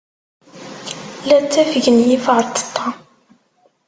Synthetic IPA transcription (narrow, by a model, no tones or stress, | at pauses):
læt͡sːæfəʝənjifʁəɾt̪ːə̥t̪ʰˤːɑ